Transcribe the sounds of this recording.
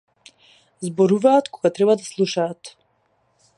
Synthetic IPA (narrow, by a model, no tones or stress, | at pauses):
zbɔɾuvaːt̪kɔɡat̪ɾɛbad̪aslˠuʃaːt̪